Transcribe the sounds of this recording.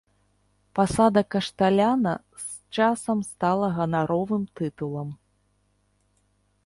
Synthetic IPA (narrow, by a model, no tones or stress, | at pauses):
pasad̪ɐkɐʂt̪alʲanɐ | s | t͡ʂasɐmst̪alˠɐɣɐnaɾɔvɨmt̪ɨt̪ulˠɐm